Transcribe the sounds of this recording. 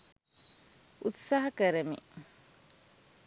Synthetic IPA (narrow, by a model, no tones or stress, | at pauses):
ʔut̪saːɦɐkəɾemḭ